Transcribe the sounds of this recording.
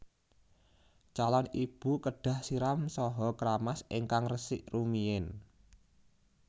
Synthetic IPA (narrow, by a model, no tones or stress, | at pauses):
t͡ʃalanib̥ṳkəɖ̥a̤hsiɾamsɔɦɔkɾamasʔeŋkaŋrəsɪʔrumiɪn